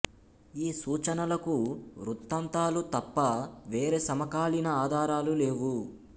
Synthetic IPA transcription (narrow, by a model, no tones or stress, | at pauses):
iːsuːt͡ʃɐnɐlɐkuɾut̪ːɐnt̪aːlut̪ɐpːɐʋe̞ːɾeːsɐmɐkaːlinɐaːd̪ʱaːɾaːlule̞ːʋu